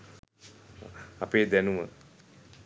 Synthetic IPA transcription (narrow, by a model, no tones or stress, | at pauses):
apeːd̪ɛnumə̰